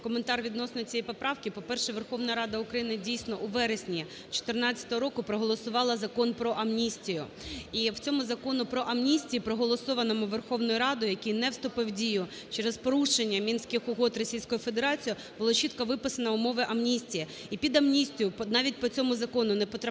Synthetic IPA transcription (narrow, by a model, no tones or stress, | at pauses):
kɔment̪ɑrʋʲid̪nɔsnɔjt͡sʲijɛjpɔpɾɑwkɪpɔpɛrʃɛʋerxɔʋnɐɾɑd̪ɐʊkɾɐjinɪdʲijsʲnɔʔʊʋɛɾesʲnʲi | t͡ʃɔ̥t̪ernɑt͡sʲːɐ̥t̪ɔɦɔɾɔkʊpɾɔɦɔlˠɔsʊʋɑlˠɐzɐkɔnpɾɔʔɐmnʲisʲtʲijʊ | iwt͡sʲɔmʊzɐkɔnʊpɾɔʔɐmnʲisʲtʲijipɾɔɦɔlˠɔsɔʋɐnɔmʊʋerxɔwnɔjʊɾɑd̪ʊjɐkʲijnɛwst̪ʊpɪwdʲijʊ | t͡ʃɛɾɛzpɔɾuʃenʲːɐmʲinsʲkɪxʊɦɔt̪rɔsʲijsʲkɔjʊfed̪eɾɑt͡sʲiji | b̥ʊlˠɔt͡ʃit̪kɐʋɪpɪsɐnɐʊmɔʋɪʔɐmnʲisʲtʲijɐ | ipʲid̪ɐmnʲisʲtʲijʊpnɑʋʲitʲpɔt͡sʲɔmʊzɐkɔnʊnɛpɔt̪ɾ